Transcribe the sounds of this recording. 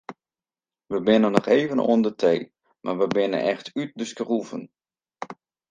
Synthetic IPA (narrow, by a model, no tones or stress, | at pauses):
ʋəbɪnənːɔχeːvənʔo̰əndətʰej | mʔa̰ʋəbɪnə̰nɛxtyt̚dəskəruvə̰n